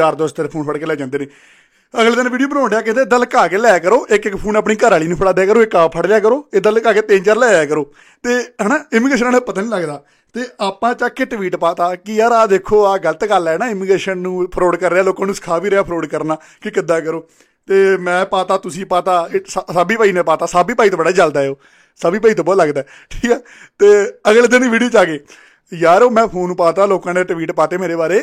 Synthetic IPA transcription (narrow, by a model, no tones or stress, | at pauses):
aːɾd̪oːst̪ɛlːpʰoːnpʰəɽkeːlɛːd͡ʒãːnd̪eːnẽː | əɡleːd̪ənʋiːɖioːbənaːɳɖejaːkɪt̪eːd̪əlkaːkeːlɛːkəɾoːʔɪkɪkːpʰuːnaːpɳiːkəɾaːliːnũːpʰəɽaːd̪eːkəɾoːɪkːaːpʰəɽljaːkəɾoːeːd̪əlkaːkeːt̪ẽːnt͡ʃaːɾlɛːaːkəɾoː | t̪eːɦənaːɪmiːɡɾeːʃ̬ənaːnpət̪aːnĩːləɡd̪aː | t̪eːʔaːpãːt͡ʃaːkɪʈʋiːʈpaːt̪aːkɪjaːɾaːd̪eːkʰːoːaːɡələt̪ɡəlɛːnaːɪmiɡɾeːʃənnũːpʰəɾoːɖkəɾːeaːloːkãːnũːsə̥kʰaːʋiːɾeaːpʰɾoːɖkəɾnaː | kɪkɪd̪ːaːkəɾoː | t̪eːmɛ̃ːpaːt̪aːt̪ʊsĩːpaːt̪aːsaːbiːpaːiːnẽːpaːt̪aːsaːbiːpaːiːt̪õbəɽaːt͡ʃəld̪aːɦeoː | saːbiːpaːit̪õːbɔːləɡd̪aː | ʈʰiːkɛː | t̪eːəɡld̪əniːʋiːɽijoːt͡ʃaːkeː | jaːɾoːmɛ̃ːpʰoːnũːpaːt̪aːloːkãːneːʈʋiːʈpaːt̪eːmeːɾeːbaːɾeː